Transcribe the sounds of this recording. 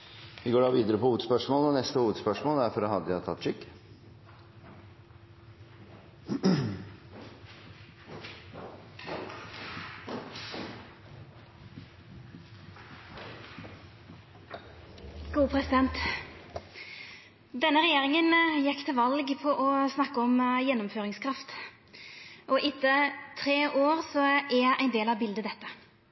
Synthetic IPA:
ʋɪɡoːɖɑːʋiːd̪əɾəpɔhuːəd̪spœʂmoːlɔnɛst̪əhuːʋəd̪spœʂmoːld̪æɾfɔɾhɑd̪ːəjt̪ʰɑt̪ːʂʏkː | ɡ̥uːpʰɾɛsɪd̪ɛnt̪ | d̪ɛnːəʁɛjeːʁɪŋənjɛkːt̪ʰɪlʋɑlɡpʰɔʔɔsnɑkːəɔmjɛnːɔmføːʁɪŋskʰɾɑft̪ | ʔɔʔɪt̪ːət̪ʰʁeːʔoːʁsɔɛʔæɪnd̪eːlɑʋbɪld̪əd̪ɛt̪ːə̥

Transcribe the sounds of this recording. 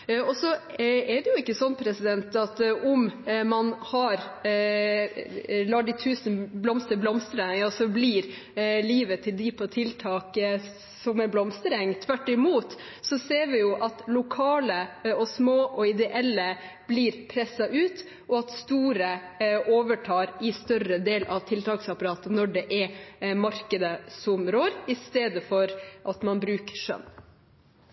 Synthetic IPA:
ɔsɔɛɖɛjʊɪkːəsɔnːpʰɾɛsɪd̪ɛnt̪ɑt̪ʔʊmmɑnhɑɾ | lɑːɖɪt̪ʰʉːsn̩blɔmst̪əblɔmst̪ɾəɑsɔbliɾ | liːʋət̪ʰɪld̪iːpʰɔt̪ʰɪlt̪ʰɑːk | sɔmɛɾblɔmst̪ɾɛŋt̪ʰʋæʈːɪmuːt̪ | sɔseːɾʋɪjʊʔɑt̪lʊkʰɑːləɔsmoːʔɔɪd̪ɛʔɛlːə | b̥liːɾpʰɾɛsːɑʔʉːt̪ | ʔɔɑt̪st̪uːɾəʔoːʋəʈʰɑːɾɪst̪œɾəd̪eːlʔɑʋt̪ʰɪlt̪ʰɑːksɑpɑɾɑːt̪ənɔɖɛʔɛmɑɾkəd̪əsɔmɾoːɾɪst̪eːd̪əfɔɾʔɑt̪mɑnbɾʉːkʂœ̰nː

